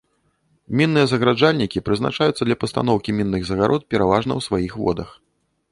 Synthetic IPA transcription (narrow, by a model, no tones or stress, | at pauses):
mʲinːɨjɛzɐɣɾad͡ʐalʲnʲikʲipɾɨzna̰t͡ʂajut̪sːɐd̪lʲɐpɐst̪a̰nɔwkʲimʲinːɨɣzɐɣaɾʔɔt̪̚pʲɛɾavaʐnɐ̰wsvajixvɔ̰d̪ɐ̰x